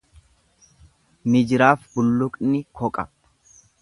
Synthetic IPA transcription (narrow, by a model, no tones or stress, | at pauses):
nɪd͡ʒɪɾaːfbʊlːʊkʼnɪkɔkʼɐ